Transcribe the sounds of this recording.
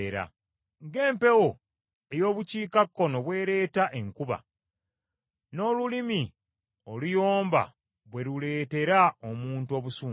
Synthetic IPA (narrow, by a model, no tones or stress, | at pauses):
ɾa̰ | ŋɡe̞ːmpe̞wo̞ | e̞jo̞ːβuciːkakːo̞no̞βwe̞ːɾe̞ːtaʔeŋkuβa̰ | no̞ːlulimi | olujo̞ːmba̰ | βwe̞ɾule̞ːte̞ɾaomuːntuo̞βusuː